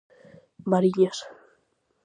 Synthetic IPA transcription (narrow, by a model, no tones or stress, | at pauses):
baɾiʎas